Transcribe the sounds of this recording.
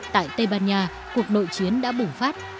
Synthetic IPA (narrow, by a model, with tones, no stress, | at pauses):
t̪a̰ː˧˨jt̪ə˧jɓaː˧nɲaː˧˩ | ku˨˩ək̚no̰˧˨jt͡ɕi˨˦ənɗa̰ː˧˥ɓʊ˨˩ŋ͡mfaː˦˥t̚